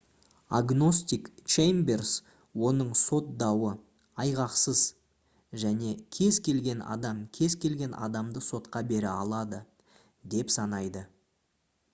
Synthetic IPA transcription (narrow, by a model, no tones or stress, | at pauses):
a̰ɡno̞st̪ikt͡ʃejmbers | wo̞nəɴso̞t̪̚d̪ɑwə | ɑjʁɑqsəz | ʒæne̞kʲʰe̞zkʲʰe̞lɡʲe̞nɑ̰d̪ɑmkʲʰe̞zkʲʰe̞lɡʲe̞nʔɑ̰d̪ɑmd̪əso̞t̪qɑbe̞ɾɪɑ̰lˠɑd̪ə | d̪e̞psɑnɑjd̪ə